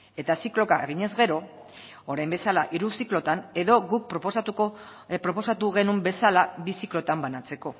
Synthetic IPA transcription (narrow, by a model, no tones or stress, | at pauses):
e̞t̪asiklo̞kae̞ɣiɲe̞zɣe̞ɾo̞ | oɾajmbe̞salaʔiɾusiklo̞t̪ane̞ðo̞ɣuk̚pɾst̪u | pɾo̞po̞sat̪uɣe̞numbe̞salabisiklo̞t̪ambanat͡se̞ko̞